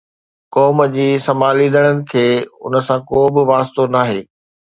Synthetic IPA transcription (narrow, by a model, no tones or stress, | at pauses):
kɔːməd͡ʑiːsɐmaːlĩːnd̪əɽ̃ənɪ̆kʰeːʊ̰nəsãkoːbɪʋaːst̪onaːɦeː